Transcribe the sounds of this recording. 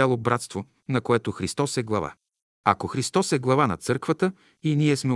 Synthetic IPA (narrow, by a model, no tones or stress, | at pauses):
alˠobɾat̪st̪vo | nɐkoɛt̪oxɾist̪ɔsɛɡlˠɐva̰ | ɐ̰koxɾist̪ɔsɛɡlˠɐvanɐ̰t̪sɤɾkvət̪ə | iniɛsmɛ